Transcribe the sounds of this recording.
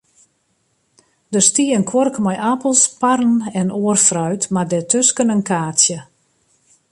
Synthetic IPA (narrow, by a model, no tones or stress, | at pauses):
dərstiːənkʰwɔrkmajʔapəlˠsparn̩ɛnoərfrœɥtmadɛtʰøskənənkaːtsjə